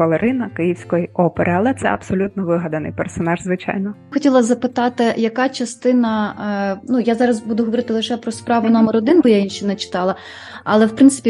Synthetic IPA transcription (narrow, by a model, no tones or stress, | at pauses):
ɐlˠeɾʔɪnɐkɪjiwsʲkɔjiɔpeɾʔɪɐlˠɛt̪sɛ̰ɐ̰b̥sɔlʲut̪nɔʋɪɦɐd̪ɐnɪ̰jpɛrsɔnɑʒzʋɪt͡ʃɑ̰jnɔxɔtʲilˠɐzɐpɪt̪ɑt̪ɪjɐkɑt͡ʃɐst̪ɪnɐ | nujazɑɾɐsbud̪ʊɦɔʋɔɾɪt̪ɪlˠɪʃɛpɾɔspɾɑʋʊnɔmɛɾɔd̪ɪnbʊjainʃɪnɛt͡ʃɪ̥t̪ɑlˠɐ | ɐlˠɛwpɾɪnt̪sɪ̥pʲi